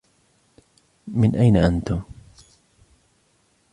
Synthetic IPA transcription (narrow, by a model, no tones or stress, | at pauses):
mɪnʔajnaʔant̪ʊm